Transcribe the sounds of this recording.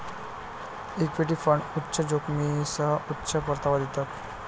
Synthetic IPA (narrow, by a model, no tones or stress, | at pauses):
ikʋiʈ̬ifəɳɖutːɕəd͡ʑokmisəutːɕʰəpəɾt̪aʋad̪it̪at̪